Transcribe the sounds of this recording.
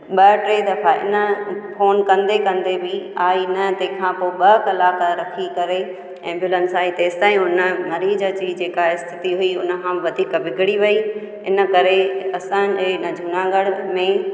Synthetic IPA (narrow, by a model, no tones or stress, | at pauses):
ɓɐʈɾeːd̪ɐfaɪ̰nə̆foːnkɐ̃nd̪ekɐ̃nd̪ebiaːinɐt̪ẽːkʰãpoɓɐkɐlaːkaɾɐkʰikɐɾe | ɛ̃ːmbʱjʊulənsaːit̪eːzt̪aːĩʊnənɐɾiːd͡ʑəd͡ʑiːd͡ʑeːkaɪst̪ʰɪt̪iɦʊiʊnə̆kʰãʋɐd̪ʱiːkʋɪɡʱɪɽiʋɐi | ɪnə̆kɐɾeɐsãd͡ʑenəd͡ʑʱʊnãːɡəɽmẽ